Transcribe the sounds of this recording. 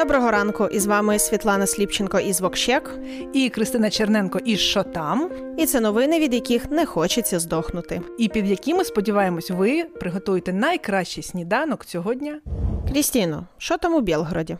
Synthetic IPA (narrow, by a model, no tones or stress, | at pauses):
d̪ɔbɾɔɦɔɾɑnkʊʔizʋɑmɪsʲʋʲit̪lˠɑnɐsʲlʲipt͡ʃenkɔʔizʋɔkʃɛk | ikɾɪst̪ɪnɐt͡ʃernɛnkɔʔiʃt͡ʃɔt̪ɑm | it̪sɛnɔʋɪnɪʋʲid̪jɐkʲixnɛxɔt͡ʃɐt͡sʲːɐzd̪ɔxnʊt̪ɪipʲid̪jɐkʲimɪspɔdʲiʋɑjemɔsʲʋɪpɾɪɦɔt̪ujɪt̪ɛnɐjkɾɑʃt͡ʃijsʲnʲid̪ɑnɔkt͡sʲɔɦɔdʲnʲakɾʲisʲtʲinɔʃt͡ʃɔt̪ɑmʊbʲɛlˠɦɾɔdʲi